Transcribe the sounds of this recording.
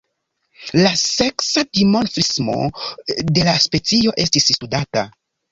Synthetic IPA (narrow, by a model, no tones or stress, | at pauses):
lase̞ksadimo̞nfɾismo̞̰de̞laspe̞t͡sio̞ʔe̞stisstudata